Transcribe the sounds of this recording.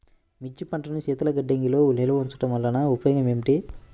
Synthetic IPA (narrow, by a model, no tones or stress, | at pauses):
mit͡ʃːipɐɳʈɐnɐt͡ʃɛːt̪ɐlɐɡɐɖːeŋɡilo̞ːulelɐʋunt͡ʃɐ̥ʈɐmʋɐlːɐnɐupɐjoːɡɐmemiʈi